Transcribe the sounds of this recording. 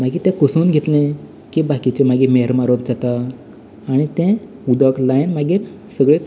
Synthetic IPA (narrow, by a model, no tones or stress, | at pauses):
m̤aɡiːt̪ɛ̃kəsuːnɡʱet̪lẽ | kibakit͡ɕemaɡimeəɾmaɾop̚d͡zat̪aː | ɽ̃it̪ẽ | ud̪əklajnmaɡiːɾ | səɡɭe